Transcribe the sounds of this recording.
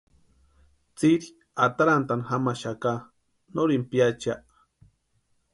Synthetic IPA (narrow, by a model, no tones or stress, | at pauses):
t͡siɾi | at̪aɾant̪anxamaʃaka | noɾimpjat͡ʃaʔ